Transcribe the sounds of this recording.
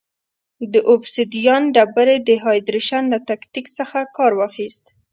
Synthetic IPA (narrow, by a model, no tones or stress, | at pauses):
d̪əʔʊbsid̪ijɑnɖabaɾed̪əɦɑjd̪ɾiʃanlat̪akt̪iksəxakɑɾwɑxist̪